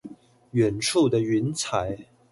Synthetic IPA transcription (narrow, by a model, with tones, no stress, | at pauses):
ɥɛ˨˩nʈ͡ʂʰu˥˩d̪ə˨y˧˥nt͡sʰa˨˥˦ɪ